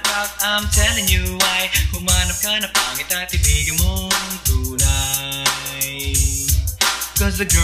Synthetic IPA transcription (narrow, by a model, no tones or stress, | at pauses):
ʔat̪̚amt̪ʰɛlɪŋjuwajkʊmanɐm̚kanɐpaŋɪt̪ajt̪ɪbiːɡɐŋmoŋt̪uːna | j | kɔz̬d̪ɐɡ